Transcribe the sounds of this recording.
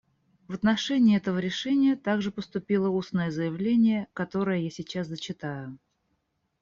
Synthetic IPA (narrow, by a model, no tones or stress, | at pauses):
vət̪nɐʂɛnʲɪːɛt̪əvəɾʲɪʂɛnʲɪjət̪aɡʐɨpəst̪ʊpʲilˠəusnəjəzəjɪvlʲenʲɪjəkɐt̪o̞ɾəjəjasʲɪt͡ɕaszət͡ɕɪt̪ajʊ